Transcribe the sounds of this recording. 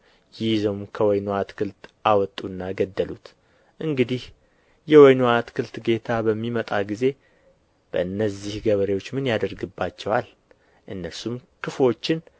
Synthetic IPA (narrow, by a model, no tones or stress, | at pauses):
jɪjzəwmkʰəwɔjnoat̪kʰɨlt̪ʔawɔt̪ʼunːaɡəd̪ːəlut̪ | ʔɨŋɡɨd̪ih | jɛwɔjnoat̪kʰɨlt̪ɡe̞t̪ʰabəmːimət̪ʼaɡize̞ | b̥ə̰ɨnːəzːihɡəβəɾewo̞t͡ʃːmɨnjad̪əɾɡɨbːat͡ʃːɛwal | ʔɨnːəsumkʰɨfo̞t͡ʃːɪn